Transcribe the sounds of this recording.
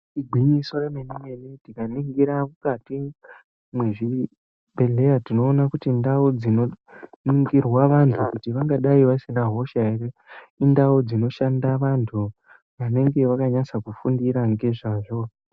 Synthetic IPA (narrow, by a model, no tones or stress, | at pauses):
iɡʱwiɲiso̞remenime̞nitikaniŋɡiɾamukati | mwe̞ʐi | bʱe̞ɮe̞jatino̞ːnakutindaud͡zino̞niŋɡirwaʋantʰukutiʋaŋɡaɗaiʋasinaɦo̞ʃaereindaud͡zino̞ʃandaʋantʰu | ʋane̞ŋɡe̞ʋakaɲasakufundiɾaŋɡe̞ʐaʐo̞